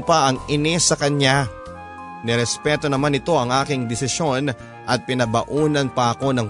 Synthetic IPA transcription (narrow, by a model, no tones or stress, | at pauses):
pɐʔɐŋɪnɪsɐkɐɲa | nɛɾɛspɛːt̪o̞nɐmanɪt̪o̞ʔɐŋʔaːkɪŋd̪ɪsɪsjo̞n | ʔɐt̪̚pɪnɐbɐʔuːnɐnpɐʔɐko̞nɐŋ